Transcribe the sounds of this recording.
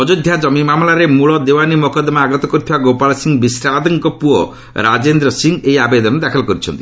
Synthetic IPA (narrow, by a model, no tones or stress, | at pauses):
ɔd͡ʒod̪ʱjad͡ʒɔmimamlaɾemuɭɔd̪ewanimɔkɔd̪maaɡɔt̪ɔkuɾt̪ʰibaɡopalsiŋbisɾad̪ɔŋkɔpuɔ | ɾad͡ʒend̪ɾɔsiŋɡeiabed̪ɔnɔd̪akʰɔlɔkɔɾit͡ʃʰɔ̰nt̪i̥